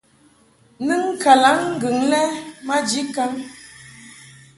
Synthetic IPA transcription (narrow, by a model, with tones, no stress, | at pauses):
nɨ˦ŋ˦ka˨la˨˦ŋŋ̩˦ɡɨ˨ŋlɛ˦ma˦d͡ʒi˦ka˦ŋ